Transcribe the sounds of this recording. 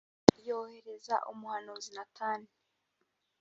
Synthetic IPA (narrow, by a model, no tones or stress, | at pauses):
jo̞ːhe̞ɾe̞za̰ʔumuhanuzinatʰaːni